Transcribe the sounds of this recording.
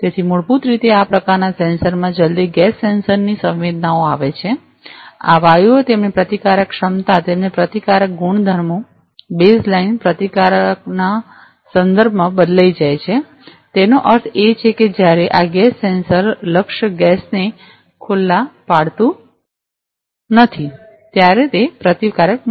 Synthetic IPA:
t̪et̪ʰimuɭput̪ɾit̪eapɾəkaɾnasɛ̃nsəɾmãd͡ʒəld̪iɡɛsːensəɾnisə̃ʋʋed̪naoaʋet͡ʃʰe | a̰ʋajuot̪emnipɾət̪ikaɾəkʃəmt̪at̪emnepɾət̪ikaɾək̚ɡuɳ̃d̪ʱəɾmo | beslainpɾət̪ikaɾək̚na | sənd̪əɾbʱmãbəd̪laid͡ʒajt͡ʃʰe | t̪enoʔəɾt̪ʰet͡ʃʰeked͡ʒjaɾeʔaɡɛsːensəɾləkʃɡɛsne | kʰʊlːapaɽt̪ũ | nət̪ʰi | t̪jaɾet̪epɾət̪ikaɾək̚

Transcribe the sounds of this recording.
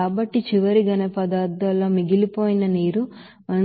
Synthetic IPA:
aːbɐʈːit͡ʃiʋɐɾiɡɐnepɐd̪aːɾd̪ɐlːoːmiɡilipoːjinɐniːɾu | ɐ

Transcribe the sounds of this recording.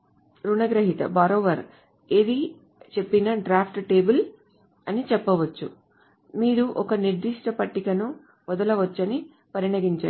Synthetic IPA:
ɾunɐɡɾɐɦit̪ɐ̰baːɾoːʋɐɾ | ed̪i | t͡ʃe̞pːinɐɖɾaːpʰʈʈe̞ːbul | ɐnit͡ʃɛpːɐʋɐt͡ʃːṵ | miːɾuʔɔkɐniɾd̪iʂʈɐpɐʈːikɐnu | ʋɔd̪ɐlɐʋɐt͡ʃːɐni | pɐɾiɳɐɡiɲt͡ʃa̰ː

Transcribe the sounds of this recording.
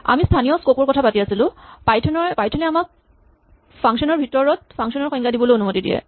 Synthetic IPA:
a̰mistʰanijɔskopɔɹkɔtʰapatiasilʊ̃pajtʰɔnɔpajtʰɔnɛamak̚ | pʰaŋksɔnɔɹbʱitɔɹɔt̚pʰaŋksɔnɔɹxɔjŋɡadibɔlojonumotidḭɛ̰

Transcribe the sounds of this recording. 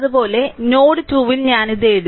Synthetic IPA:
ɐðubo̞ːle̞no̞ːɽɨt̪uːʋilɲaːniðeːɽ

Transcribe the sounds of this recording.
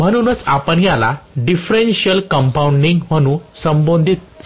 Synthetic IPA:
m̤əñunət͡sapəɳjala̰ɖifɾenɕiəlkəmpauɳɖiŋɡm̤əɽ̃ũːsəmbond̪ʱit̪̚

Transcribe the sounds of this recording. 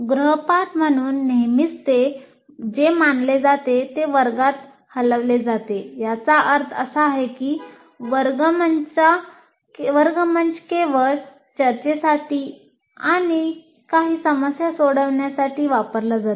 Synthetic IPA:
ɡɾəɦpaʈm̤əɽ̃uːnːeɦmit͡st̪e | d͡ʑemanled͡zat̪et̪eʋəɾɡat̪ | hələʋled͡zat̪ejat͡saʔəɾt̪ʰə̰saːɦekiː | ʋəɾɡəmənt͡ɕa | ʋəɾɡəmənt͡ɕkeʋəɭ | t͡ɕəɾt͡ɕesaʈiː | aɽ̃i | kaɦiːsəməsjasoɽəʋɳjasaʈiːʋapəɾlad͡zat̪e

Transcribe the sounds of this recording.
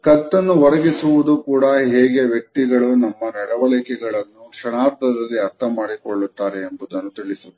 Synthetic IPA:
kɐt̪ːɐnːuʋɐɾɐɡisuʋud̪ukuːɽɐɦeːɡe̞ʋjɐk̚t̪iɡɐɭunɐmːɐnɐɽɐʋɐlikɛɡɐɭɐnːukʂɐɳaːɾd̪ʰʱɐd̪ɐlːiɐɾt̪ʰɐmaːɽikoɭːut̪ːaːɾeːmbud̪ɐnːut̪iɭisu

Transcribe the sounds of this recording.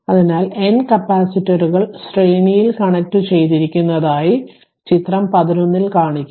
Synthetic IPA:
ɐðinaːlenkɐpːaːsitːɐɾuɣɐɭsreːɳijilkɐɳek̚ʈːɨt͡ɕe̞jt̪̬iɾikʲːunːɐðaːji | t͡ɕit̪rɐmpɐðinonːilkaːɳikʲː

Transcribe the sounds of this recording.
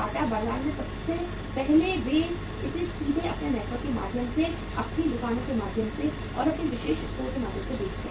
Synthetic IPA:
aːʈ̪abaːlaːnmẽsɐbse | pɛɦlebeːd͡ʒ | ɪsɪsiːd̪ʱẽɐpnenɛːʈʰʋəɾkkemaːd̪ʱjəmse | ɐpnilʊkaːnokemaːd̪ʱjəmse | ɔ̰ːɾɐpniʋɪʃeːʃɪst̪oːkemaːd̪ʱjə̃msebeːt͡ʃe

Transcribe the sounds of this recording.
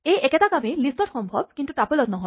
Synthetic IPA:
ejeket̪akamelisʈɔɾxɔmbʱɔb̚kint̪uʈapolɔt̪nɔɦɔ

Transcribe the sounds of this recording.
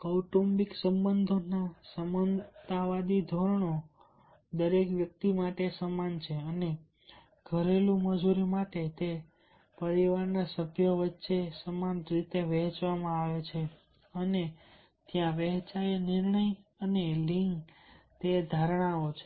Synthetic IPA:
kəwʈumbiksəmbənd̪ʱonasəmənt̪aʋad̪id̪ʱoɾəɳo | d̪əɾekʋjək̚t̪imaʈesəmant͡ʃʰeəne | ɡ̥ʱəɾelũməd͡ʒuɾimaʈet̪e | pəɾiʋaɾnasəbʱjəʋətːʃesəmanɾit̪eʋɛɦt͡ʃʋamãaʋet͡ʃʰe | əne | t̪jãʋɛɦt͡ʃaenɪɾɳəjəneliŋɡt̪ed̪ʱaɾɳ̃aot͡ʃʰe̥

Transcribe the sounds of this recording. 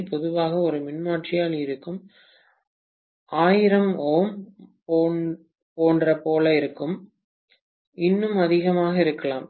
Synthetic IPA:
pɔðɯʋaːɣɐɔɾɯmɪnmaːʈrɪjaːlɪɾɯkːɯm | ʔaːjɪɾɐmoːmː | poːndrɐpoːlɐɪɾɯkːɯm | ɪnːɯmɐðɪɣɐmaːɣɐɪɾɯkːɐɭaːm

